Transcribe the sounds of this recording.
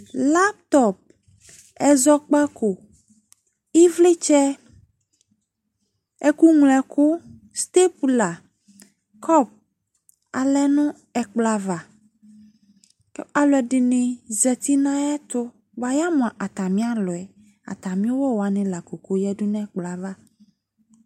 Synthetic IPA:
la˦p̚t̪ɔ˨p̚ | ɛ˨zɔ˦k͡pa˦ko˨ | i˦vle˦t͡ʃɛ˦ | ɛ˦ku˦ŋlɛ˨kʊ˦ | st̪e˦pu˨la˨ | kʰɔ˦p̚ | a˨lɛ˦nũ˦ | ɛ˨k͡pla˨va˨ | ka˨lɔ˨ɛ˨ɖɪ˨nẽ˨zɛ˨t̪i˦nã˦jɛ˦t̪ʊ˦ | ba˨ja˦mɔ̃˨a˨ʔa˨t̪a˨mĩ˦a˦lɔ˨ɛ˨ | a̰˨t̪a˨mĩ˦o˦wɔ˦wa˨nẽ˦la˨ko˨ko˦jɛ˦ɖu˦nã˦k͡pla˨va˦

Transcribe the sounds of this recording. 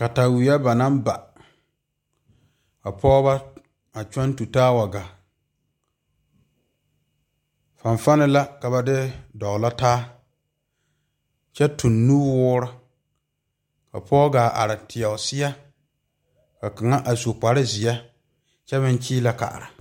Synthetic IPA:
ka˨ta˨wi˨jɛ˦ba˨na˦m˦ba˨ | ka˨pʰɔː˦ba˦ | a˨t͡ʃɔ˦n˦tu˨taː˦wa˨ɡa˨ | fa˨ɱfa˦nɪ˦la˦ka˨ba˦dɪ˦dɔ˨la˦taː˦ | t͡ʃɛ˦tʊ˨nːuː˦wʊː˦ɾʊ˦ | ka̰˨pʰɔː˦ɡaː˨ʔa̰˨ɾɪ˨tʰɪ˨ɛ˨sɪ˦jɛ˦ | ka˨ka˨ŋa˦ʔa˨so˨k͡pa˨ɾɪ˦zɪ˨jɛ˦ | t͡ʃɛ˦bɪ˦n˦t͡ʃiː˦la˨ka̰˨ʔɾa˨

